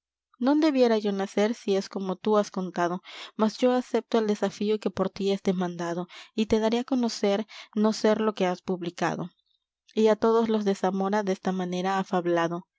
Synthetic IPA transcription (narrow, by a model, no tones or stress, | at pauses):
nõ̞nd̪e̞βje̞ɾaʝo̞nase̞ɾsie̞sko̞mo̞t̪uasko̞nt̪að̞o̞masʝo̞ase̞p̚t̪oeld̪e̞safioke̞po̞ɾt̪iesd̪emãnd̪aðo̞it̪e̞ðaɾeako̞no̞se̞ɾno̞se̞ɾlo̞ke̞aspuβlika̰ðo̞̰ | iat̪o̞ðo̞zlo̞zðe̞samo̞ɾaðest̪amãne̞ɾaːfaβlaðo̞